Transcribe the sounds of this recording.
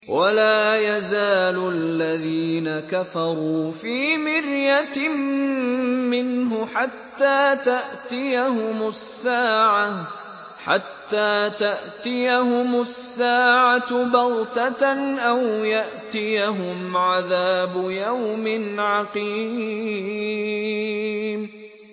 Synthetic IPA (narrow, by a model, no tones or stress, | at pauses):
wʔalaːjazaːlʊʔalːaðiːnakafɑɾˤuːfiːmɪɾjat̪ɪ | mɪnɦʊħat̪ːaːt̪aʔt̪ɪjahʊmʊsːaːʕa | ħa̰t̪ːaːt̪aʔt̪ɪjahʊmʊsːaːʕabɑlt̪aʔawjaʔt̪ɪjaɦʊmʕaðaːbʊjawmɪnʕɑqiː | m